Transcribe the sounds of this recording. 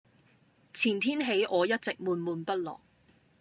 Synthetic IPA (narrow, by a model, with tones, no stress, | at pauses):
t͡sʰiː˨˩nt̪ʰiː˥nɦe˨˥jʔɔː˨˧jɐ˥t̚t͡sɪ˨k̚muː˨˧nmuː˨˧npɐ˥t̚lɔ̰ː˨˩ŋ